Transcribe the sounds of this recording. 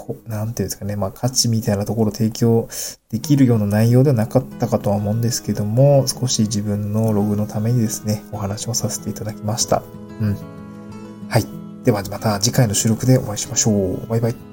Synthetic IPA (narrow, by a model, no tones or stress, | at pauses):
kʰonãnt̪eɯ̟̃neskane̞maːkʰat͡ɕimʲit̪ainat̪o̞ko̞ɾot̪ʰe̞ːkʲo̞ːd̪̥e̞kʲiɾɯ̟jo̞ːnanaijo̞ːd̪e̞βanakat̪ːakat̪o̞βamõ̞ːnd̪e̞sɨ̥ke̞d̪o̞mo̞sɨ̥ko̞ɕid͡ʑibɯ̟̃nːo̞ɾo̞ɡɯ̟no̞t̪ʰame̞ɲ̟id̪e̞sɨ̥ne̞o̞hanaɕio̞sase̞̥t̪e̞it̪ad̪akʲimaɕi̥t̪a̰ | ɯ̟̃ɴ | hai | d̪̥e̞βamat̪ad͡ʑikaino̞ɕɨːɾo̞kɯ̟d̪e̞o̞̰βaiɕi̥maɕo̞ːbajbai